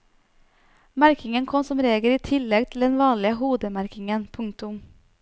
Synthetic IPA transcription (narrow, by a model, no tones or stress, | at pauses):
mæɾkɪŋənkʰɔmsɔmɾeːɡəliːt̪ʰɪlːɛɡ̚t̪ʰl̩d̪ɛnʋɑːɳɭɪəɦuːd̪əmæɾkɪŋənpʰʉŋ̚t̪ʊm